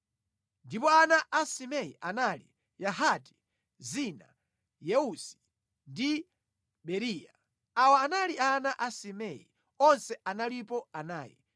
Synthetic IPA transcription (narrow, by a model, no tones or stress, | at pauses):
ndipɔanaʔasimɛjḭʔanalḭ | jaɦati̥ | zina̰ | jɛusi̥ | ndi | ɓɛɾiːja | awaːnalianaʔasimɛjḭ | ɔnsɛʔanalipɔanaːjḭ